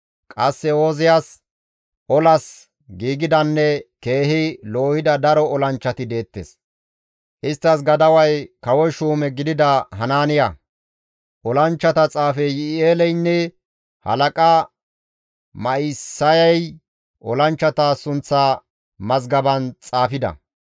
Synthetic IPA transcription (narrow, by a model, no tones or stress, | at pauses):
kʼɐsːɛoːzɪjaːs | ʔɔlɐs | ɡiːɡɪd̪ɐnːɛke̞ːɦɪlo̞ːhɪd̪ɐd̪ɐɾɔɔlɐnt͡ʃːɐt̪ɪd̪e̞ːt̪ːḛːs | ʔɪst̪ːɐsɡɐd̪ɐwɐjkɐwɔjʃuːmɛɡɪd̪ɪd̪ɐɦɐnaːnɪjɐ | ʔɔlɐnt͡ʃːɐt̪ɐt͡sʼaːfɛjɪeːlɛjnːɛ | hɐ̰lɐkʼɐ | mɐɪsːɐjɐj | ʔɔ̰lɐnt͡ʃːɐt̪aːsʊnt͡sːaː | mɐzɡɐbɐnt͡sʼaːfɪd̪ɐ̰